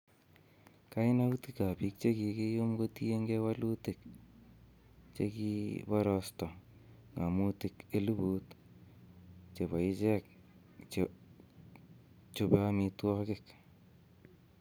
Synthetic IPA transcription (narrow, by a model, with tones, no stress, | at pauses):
ka˦ɪ˦na˦u˦tika˨pi˦k̚t͡ʃe˦ki˨ke˦jo˦mko˦ti˦je˦ŋɡe˦wa˦lu˦tɪ˨k | t͡ʃe˧kipɔ˦ɾɔstɔ˨ | ŋa˨mu˦tike˦lu˦buː˦t | t͡ʃe˨βa˨ɪ˦t͡ʃɛ˦k̚ | t͡ʃ | t͡ʃo˨pe˦a˦mi˧twɔ˦kɪk